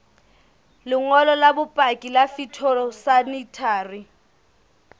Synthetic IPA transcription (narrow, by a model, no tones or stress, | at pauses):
lʊŋɔlɔlabupʼakʼilafitʰɔlɔsanitʰaːri